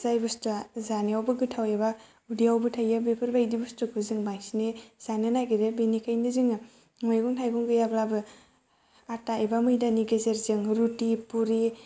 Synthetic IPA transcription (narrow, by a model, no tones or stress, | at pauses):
zajbɯstɯzaniawbɯɡɯtʰaweba | udiawbɯtʰajɯbepʰɯɾbajdibustɯkʰɯzɯŋbaŋsiniz̥anɯnaɡiɾebinikʰajnɯzɯŋɯ | ŋɔjɡɔŋtʰajɡɔŋɡɯjablabɯ | ataebamɯjdaniɡezeɾzɯŋɾutipuɾi